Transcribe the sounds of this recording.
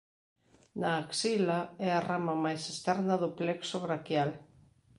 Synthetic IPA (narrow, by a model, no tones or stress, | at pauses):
naːksilaɛaramɐmajsest̪ɛɾnɐðʊplɛksoβɾakjal